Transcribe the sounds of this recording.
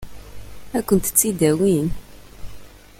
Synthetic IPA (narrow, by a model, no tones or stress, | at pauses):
ækʷːənt̪t͡sːid̪æwin